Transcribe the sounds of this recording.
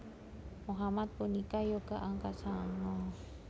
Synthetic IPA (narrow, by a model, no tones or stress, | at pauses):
muɦamat̪̚punikajoɡaʔaŋkasaŋɔ